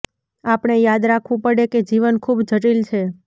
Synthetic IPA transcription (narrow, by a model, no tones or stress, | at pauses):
apɳ̃ejad̪ɾakʰʋũpəɽeked͡ʒiʋənkʰubd͡ʒʱəʈilt͡ʃʰe